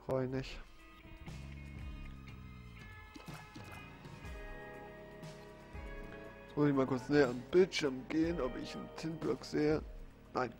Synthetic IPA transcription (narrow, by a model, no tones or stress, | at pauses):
ʁ̥ɔʏnɪç | çmɔɪçmaːlkʰʊɐt͡snɛːəanb̥ɪltʃɪɐmɡeːənʔɔpɪçn̩tʰɪnblɔkz̥eːə | naɪn